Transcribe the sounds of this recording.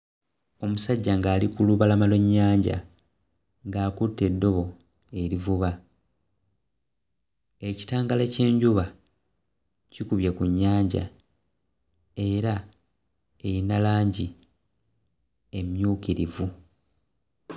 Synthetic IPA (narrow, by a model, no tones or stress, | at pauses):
o̞musaɟːaŋɡaːlikuluβalamalo̞ɲːaːɲɟa̰ | ŋɡaːkutːe̞dːo̞βo̞ | e̞ɾivuβa | e̞ci̥taːŋɡalece̞ːɲɟuβa | cikuβjekuɲːaːɲɟa̰ | e̞ɾa | ejinalaːɲɟi | e̞mjuːkiɾivu